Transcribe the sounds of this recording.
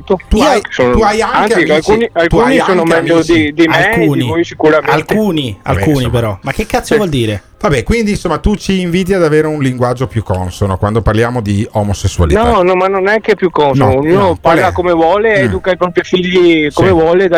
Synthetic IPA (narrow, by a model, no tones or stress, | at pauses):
t̪ot̪uajksoːnt̪uajaŋanesialkuːnialk̪uuːaniaoːnomɛʎːod̪id̪imlekuːniivojsikuɾamealkuːnia̰luːnipeɾɔmak̟ːekːat̪sjovwɔld̪iːɾe | vabɛkwind̪insomːat̪ut͡ʃiːɱviːt̪̬iad̪aveːɾeunliŋɡwad͡ʒopjukːɔnsonɔkwand̪oparljaːmod̪iɔmosesːua̰linɔanɔmanːonɛkːepjukːɔnsnɔnɔpaɾlakomevwɔːleɛd̪ukaipɾɔpɾifiʎːikomevwɔːled̪a